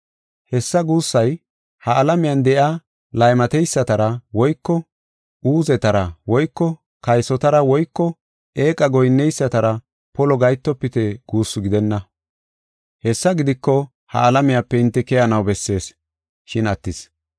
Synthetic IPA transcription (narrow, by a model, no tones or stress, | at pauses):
hɛsːɐɡuːsːɐj | hɐːlɐmɪjɐnd̪ɛʔa | lɐjmɐt̪ɛjsːɐt̪ɐɾɐwɔjkːɔ | ʔuːzɛt̪ɐɾɐwɔjkːɔ | kɐjsɔt̪ɐɾɐwɔjkːɔ | eːkʼɐɡɔjnːɛjsːɐt̪ɐɾɐ | pɔlɔɡɐjt̪ːɔpːɪt̪ɛɡ̥uːsːʊɡɪd̪ɛnːɐ | hɛsːɐɡɪd̪ɪkːɔ | hɐ̰ːlɐmɪjapːɛɪnt̪ːɛkɛjɐnɐwbɛsːe̞ːs | ʃɪnɐt̪ːɪs